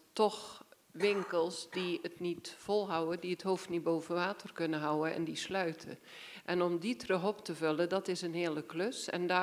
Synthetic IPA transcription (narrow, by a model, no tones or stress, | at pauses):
tɔx | ʋɪŋkəlˠsdiətnitfɔlˠɦawədiəthoːftnit̚boːvənʋaːtʰərkɵnəɦawəɛ̰ndislœɥtʰə̰ | ʔɛnɔmditrəxɔptəvølədɔtɪsənhiəlˠəkløsɛ̰nda